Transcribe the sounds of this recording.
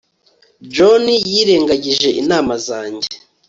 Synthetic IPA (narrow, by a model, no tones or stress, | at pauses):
d͡ʒonijiːɾe̞ːŋɡaɟiʒe̞ʔinaːmazaːɲɟe